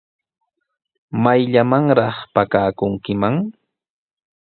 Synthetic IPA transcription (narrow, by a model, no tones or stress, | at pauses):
majʎamaŋɾɑχpakaːkʊŋkɪmaŋ